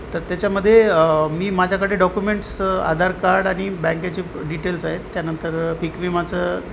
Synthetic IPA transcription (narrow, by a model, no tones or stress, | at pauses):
t̪əɾt̪jat͡ɕjaməd̪ʱːjemiːmad͡ʑʱjakəɽeɖɔkjumeɳʈsa̰d̪ʱaɾkaɾɖaɽ̃ibɛ̃ŋkjat͡ɕiːɖiʈelsaɦet̪ːjanənt̪əɾpikʋiːmat͡sə